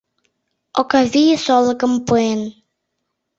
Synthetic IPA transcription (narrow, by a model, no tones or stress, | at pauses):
ʔɔkavisɔləkəmpuen